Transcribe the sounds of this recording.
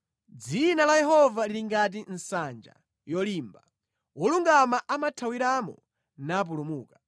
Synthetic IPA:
d͡zinalajɛɦɔvaliɾiŋɡat̬in̩sand͡ʒa̰ | jɔliːmba | wɔluŋɡamaʔamatʰawiɾamɔ̰ | nap̬ulumuːka

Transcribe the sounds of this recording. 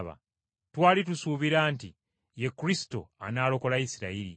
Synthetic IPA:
βa̰ | twaːlitusuːβiɾaːnti | je̞kːuɾisi̥to̞̰a̰naːlo̞ko̞laisiɾa̰iɾḭ

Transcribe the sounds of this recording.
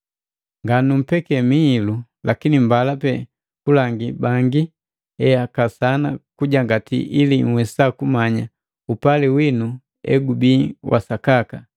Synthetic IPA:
ŋɡanum̩pɛkɛmiːlu | lakinimbalapɛ | kulaŋɡibaŋɡi | ɛakasanakuɟaŋɡatḭʔiliŋ̩wɛsakumaɲa | upaliwinu | ɛ̰ɡubiːwʔa̰sakaka

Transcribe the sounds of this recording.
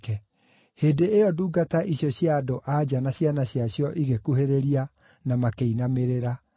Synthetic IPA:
kɛ | heːdeeɔduːɡataʔiɕjɔɕjaːdoʔad͡ʑanaɕjanaɕjaɕjɔʔiɣekuɦeɾeɾia | namakeinameɾeɾa

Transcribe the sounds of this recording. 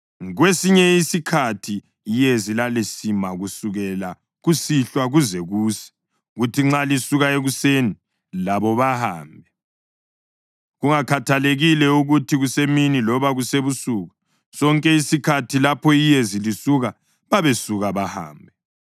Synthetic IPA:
ɣwesiɲɛisikʰatʰiː | jezilalesimaɣusuɣɛla | ɣusiɬwaɣuzɛɣuːsɛ̥ | ɣutʰiŋ͡ǁalisuɣaeɣuseni | laβɔβaha̰ːmbʱɛ | ɣuŋakʰatʰaleɣilɛuɣutʰiɣuseminilɔβaɣuseβusuɣa | sɔŋkʼɛisikʰatʰilapʰɔijezilisuɣa | βaβesuɣaβaha̰ːmbʱɛ

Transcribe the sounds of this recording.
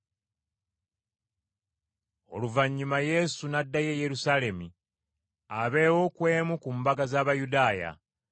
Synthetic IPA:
o̞̰luvaɲːumaje̞sunadːaje̞je̞ɾusale̞mu | aβe̞ːwo̞kwe̞ːmukumbaɡazaːβajudaːja̰

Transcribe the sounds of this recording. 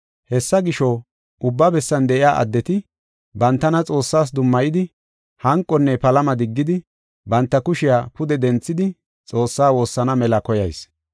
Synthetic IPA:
hɛsːɐɡɪʃɔ | ʔʊbːɐbɛsːɐnd̪ɛʔɪjaːʔɐ̰d̪ːɛt̪ɪ | bɐnt̪ːɐnɐt͡sʼo̞ːsːaːs̬d̪ʊmːɐjɪd̪ɪ | hɐŋkʼːɔnːɛpɐlɐmɐd̪ɪɡːɪd̪ɪ | bɐnt̪ːɐkʊʃɪjaːpʊd̪ɛd̪ɛnt͡sːɪd̪ɪ | t͡sʼo̞ːsːaːwo̞ːsːɐnɐmɛlɐkɔjɐjs

